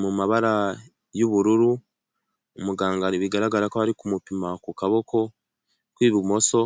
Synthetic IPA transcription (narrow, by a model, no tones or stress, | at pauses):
mumaβaɾa | joβuɾuɾu | omuɡaːŋɡaɾiβiɡaɾaɡaɾakohaɾikumupimakukaβo̞kʰo̞ | kwiːβimo̞so̞